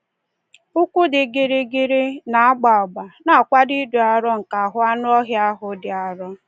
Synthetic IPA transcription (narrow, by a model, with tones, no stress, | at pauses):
ʊ˦kʷu˦dɪ˨ɡɪ˨ɾɪ˦ɡɪ˦ɾɪ˦na˨a˦ɡ͡ba˨ɔ˨ɡ͡ba˨na˨kʷa˦di˦du˨a˨ɾɔ˦ŋ̩˨ka˨a˨ɦʊ˦a˦nʊ˦ɔ˦ɣja˦ɦʊ˨dɪ˨a˨ɾɔ˦